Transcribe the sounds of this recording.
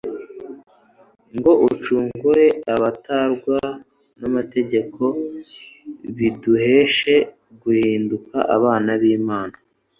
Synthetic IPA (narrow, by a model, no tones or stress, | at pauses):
ŋɡo̞ʔut͡ʃuːŋɡuɾe̞aβataɾɡwa | namate̞ɟe̞kʰo̞ | βiduhe̞ːʃe̞ | ɡuhiːnduka̰ʔa̰βaːnaβiːmaːna